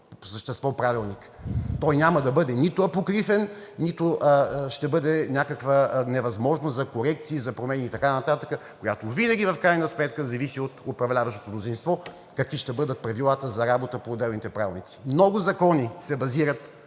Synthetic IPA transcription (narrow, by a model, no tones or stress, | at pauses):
po̥səʃt̪ɛst̪vɔpɾavilˠnik | t̪ɔjnʲamɐd̪ɐbɤd̪ɛnit̪ʊɐpokɾifɛnːit̪ʊʔʃt̪ɛbɤd̪ɛnʲakəkvənɛvɐzmɔʒnost̪zɐkoɾɛkt̪siːzɐpɾomɛnʲiːt̪ɐkanɐt̪at̪əkəkojat̪ovinəɡʲivɐfkɾajnəsmɛt̪̚kəzɐvisiot̪opɾɐvlʲavɐʃt̪o̥t̪omnozinst̪vɔ | kɐkviʃt̪ɛbɤd̪ət̪̚pɾɐvilˠat̪əzɐɾabot̪əpoːd̪ːɛlˠnit̪ɛpɾavʲilˠnit̪si̥mnɔɡʊzɐkɔnisɛbɐziɾət̪